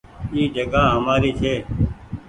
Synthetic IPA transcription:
iːd͡ʒəɡaːɦəmaːɾiːt͡ʃʰeː

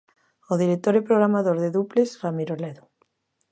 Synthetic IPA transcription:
oðiɾek̚t̪oɾepɾoɣɾamaðoɾðeðuplesramiɾoleðo

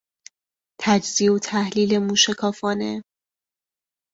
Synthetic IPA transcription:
t̪ʰæd͡ʒziːot̪ʰæhliːle̞muːʃekʰɒːfɒːne

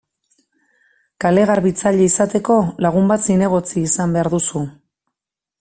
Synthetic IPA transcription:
kale̞ɣaɾβit͡saʎeisat̪e̞ko̞laɣ̞umbat̪sine̞ɣo̞t͡siːsambe̞aɾðusu

